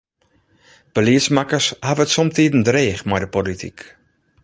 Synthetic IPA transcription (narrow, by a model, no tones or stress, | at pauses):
b̥əliəsmakərshavəətsɔmtiːdən̩dreːxmɛjdəpolitʰḭk